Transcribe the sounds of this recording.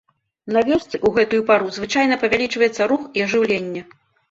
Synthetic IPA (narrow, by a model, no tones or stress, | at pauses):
navʲɔst̪sɨʔuɣɛt̪ujupaɾuzvɨt͡ʂajnɐpɐvʲalʲit͡ʂvɐjɛt̪sːɐɾuxiɐʐɨwlʲenʲːɛ